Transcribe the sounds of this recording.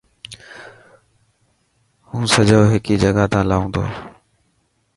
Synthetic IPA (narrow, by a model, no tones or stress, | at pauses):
hũːsəd͡ʒoːɦɪkiːd͡ʒəɡat̪ãːlaːũːnd̪o̰ː